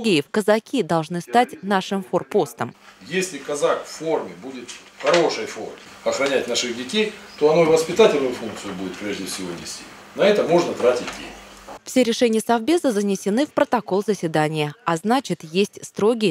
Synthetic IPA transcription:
ɡʲejɪfkəzɐkʲid̪ɐlˠʐnɨst̪atʲnaʂɨmforpo̞st̪əmjesʲlʲɪkɐzakfːo̞rmʲɪbudʲɪt̪ | xɐɾo̞ʂɨjfo̞̰rmʲɪ | ɐxɾɐnʲætʲnaʂɨdʲɪkʲejt̪o̞ɐno̞ivəspʲɪt̪atʲɪlʲnʊjʊfunk̪̚sɨjʊbudʲɪt̪̚pɾʲe̞ʐdʲɪfsʲɪvo̞nʲɪ̰sʲtʲi | nɐɛt̪əmo̞ʐnət̪ɾatʲɪt̚ʲdʲḛnʲɪfsʲeɾʲɪʂɛnʲɪjəsɐvbʲezəzənʲɪsʲɪnɨfpɾət̪ɐko̞lˠzəsʲvʲɪd̪anʲɪjəɐznat͡ɕɪt̪jesʲtʲst̪ɾo̞ɡʲɪjə

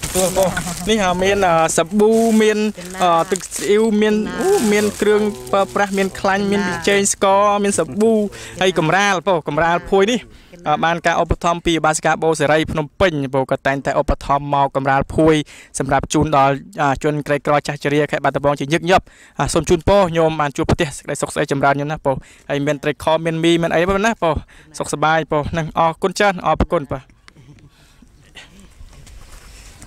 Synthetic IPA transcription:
uəponihʔəːmiənʔəːsaɓuːmiən | ʔəːt̪ɨk̚sʔiwmiənomiənkrɨəŋpraəprahmiənkʰlaɲmiənɓit͡ɕɛːɲskɑːmiənsaɓuːhəjkɑmraːlpɔːkɑmraːlpʰuəjnihʔəːɓaːnkaːʔopːat̪ʰɑmpiːiɓaːskaːɓoːsaɾəjpʰnumpɨɲpoːkɑːt̪ːaɛŋt̪aɛʔopːat̪ʰɑmːaɔkːɑmraːlpʰuəjsɑmrap̚t͡ɕuːnɗɑlʔəːt͡ɕŭənkrəjkrɑːt͡ɕaht͡ɕiəɾiəkʰaɛʔɓat̪̚ːəɓɑːŋt͡ɕiəɲɨːk̚ɲop̚ | ʔaːsoːmt͡ɕuːnpoːhɲomɓaːnt͡ɕuəpʰt̪ɛ̆əhsə̥kəɗəjsok̚sʔəjt͡ɕɑmraənɲomnahpoːh | həjmiənt̪rəjkʰɑːmiənmiːmiənʔə̰jnipːnahpoːsok̚saɓaːjpoːhnɨŋʔɑːkʊnt͡ɕaənŋʔɑːpkʊnpaːh

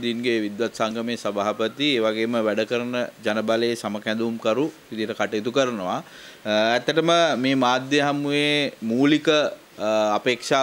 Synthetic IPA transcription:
d̪inɡeʋid̪ʋat̪saŋɡəmejsəbaːɦapət̪ieːʋaɡeːməʋæɖəkəɾənəd͡ʒanəbaləesaməkɛnd̪uumkəɾu | id̪iʈəkaʈəet̪ukəɾənəʋa | æt̪ːəʈəməmeːmaːd̪jeɦamujemuːlikə | apeːkʂaː

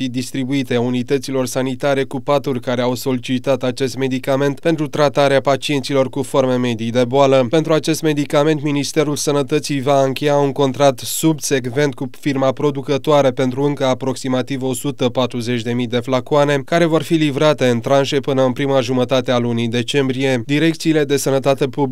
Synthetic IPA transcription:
id̪ist̪ɾibuit̪e̞unit̪ət̪silo̞rsanit̪aɾe̞kupat̪urʲkaɾe̞awso̞lit͡ʃit̪at̪at͡ʃe̞st̪me̞d̪ikame̞nt̪pent̪ɾut̪ɾat̪aɾeapat͡ʃie̞nt̪silo̞rkufo̞rme̞me̞d̪ijd̪e̞boaləpe̞nt̪ɾuat͡ʃe̞st̪me̞d̪ikame̞nt̪minist̪e̞ɾulsənət̪ət̪sijvaɨŋkʲe̞jauŋko̞nt̪ɾak̚t̪subse̞ɡve̞nt̪̚kufirmapɾo̞d̪ukət̪oaɾepe̞nt̪ɾuɨŋkəapɾo̞ksimat̪ivo̞sut̪əpat̪ɾuze̞t͡ʃʲd̪e̞mijd̪e̞flakuane̞kaɾe̞vo̞rfilivɾat̪e̞ɨnt̪ɾanʃe̞pɨnəɨnpɾimaʒumət̪at̪e̞alunid̪e̞t͡ʃe̞mbɾije̞d̪iɾe̞k̚t̪siːle̞d̪e̞sənət̪at̪e̞pub

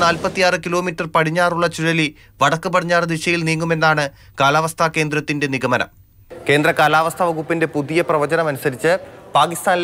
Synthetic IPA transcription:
naːlpɐt̪ːijaːrɨkilo̞ːmiʈːɐrpɐɽiɲːaːruɭːɐt͡ɕuɻɐli | ʋɐɽɐkːɨpɐʈʰiɲːaːrd̪iʂɐjilniːŋːume̞nːaːɳɨ | kaːlaːʋɐst̪ʰake̞ːnd̪rɐt̪ːinde̞niɡɐmɐnɐ̰m | ke̞ːnd̪rɐkaːlaːʋɐst̪ʰɐʋɐɡupːinde̞puðijɐprɐʋɐd͡ʑɐnɐmɐnusɐɾit͡ɕːɨpaːkist̪aːnl

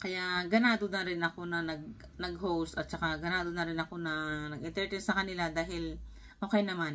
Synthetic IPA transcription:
kɐjaɡɐnaːd̪onɐɾɪnɐko̞nɐnɐɡ̚ | nɐɡ̚ɦowst̪ɐt̪̚t͡ʃɐkaɡɐnaːd̪onɐɾɪnɐko̞nɐnɐɡɪnt̪ɛɹt̪ɛnsɐkɐnɪlad̪aːɦɪl | ʔoːkɛjnɐman

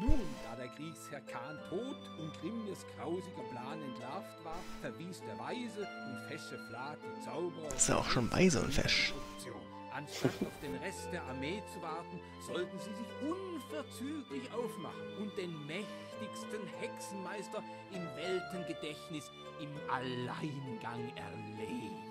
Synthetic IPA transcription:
nuːndaːɐdeːɐɡʁiːkshɛɐkʰaːntʰoːt | ʊntɡ̥ʁɪməsɡ̥ʁaʊzɪɡɐpl̥aːnɛntlaftv̥aːɐfɛɐviːsd̥eːɐvaɪzəʊntfɛʃəflaːtət͡saʊbəʁɐɪsta̰a̰ʊʃoːnba̰ɪzo̰ːnfɛ̰ʃʊkt͡sjo̰ːn | ʔanʃtataʊfd̥eːmʁɛst̚d̥eːɐʔaɐmeːt͡suvaɐtn̩ | zɔltn̩ziːzɪçʔʊnfɛɐt͡syːklɪçʔaʊfma̰χn̩ʊnt̚d̥eːnmɛç | tɪçstənhɛksn̩maɪstɐ | ʔɪmvɛltənɡədɛçnɪs | ɪmʔalaɪnɡaŋɛ̰ɐleːən

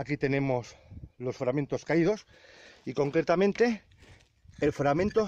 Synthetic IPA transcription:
akit̪e̞ne̞mo̞slo̞sfɾament̪o̞skaið̞o̞s | iko̞ŋkɾe̞t̪amẽ̞nt̪e̞ | elfɾamẽ̞nt̪o

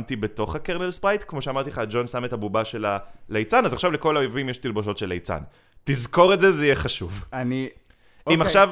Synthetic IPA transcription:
mt̪ibeto̞χhakeʁnelspʁajt̪kmo̞ʃeamaʁt̪ileχaːd͡ʒo̞nsametabubaʃe̞lalejt͡sanazaχʃavleko̞lajvimjeʃt̪ilbo̞ʃo̞tʃelḛjt͡sa̰n | tizko̞ʁetzezeijeχaʃuvani | imaχʃav

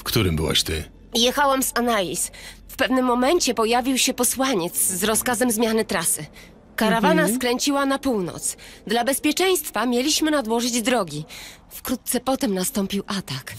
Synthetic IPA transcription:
fkt̪uɾɘmbɘ̰wa̰ɕt̪ɘ̰ | jɛxawɛmsanajisfpɛvnɘmːɔmɛɲt͡ɕɛpɔjavʲiwɕɛpɔswaɲɛt̪sːɾɔskazɛmzmʲjanɘt̪ɾasɘ | kaɾavanaskɾɛɲt͡ɕiwanapuwnɔ̰t̪sd̪labɛspʲjɛt͡ʂɛj̃st̪famʲjelʲiɕmɘnad̪wɔʐɘd͡ʑd̪ɾɔɡʲi | fkɾut̪̚t̪sɛpɔt̪ɛmnast̪ɔmpʲiwʔat̪ak

